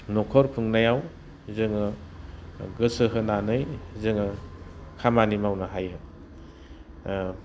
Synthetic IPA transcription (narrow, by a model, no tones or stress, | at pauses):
nɔkʰɔɾpʰɯŋnajaw | zɯŋɯ | ɡɯsɯɦɯnanɯjzɯŋɯkʰamanimawnaɦajɯ